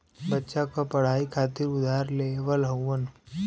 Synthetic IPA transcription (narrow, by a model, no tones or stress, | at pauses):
bətːʃakapɐɽ̤aːikʰaːt̪ɪɾʊd̪ʱaːɾleʋəlɦɐwʋən